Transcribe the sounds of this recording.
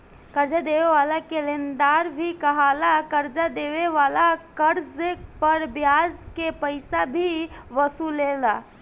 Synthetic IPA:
kəɾd͡ʒad̪eʋeʋalakelend̪aɾbʱikəɦalakəɾd͡ʒad̪eʋeʋalakəɾd͡ʒpəɾbjad͡ʒkepəɪsabʱiʋəsulela

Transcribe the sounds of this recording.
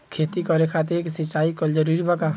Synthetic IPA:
kʰeːt̪ikɔɾekʰat̪̬eksɪt͡ʃːaːikod͡ʒɐɾuːɾibʱɐkaː

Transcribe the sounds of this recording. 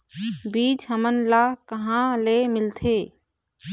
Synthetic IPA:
biːd͡ʒɦəmənlakəɦãlemɪlt̪ʰeː

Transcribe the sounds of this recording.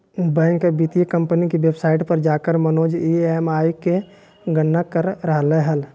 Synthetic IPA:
bɛ̃ːŋkːebit̪ijəkə̃mpənikiʋebsaːɪʈpəɾd͡ʒaːkəɾmənoːd͡ʒiemaːjke | ɡənːəkəɾɾəɦleɦəl

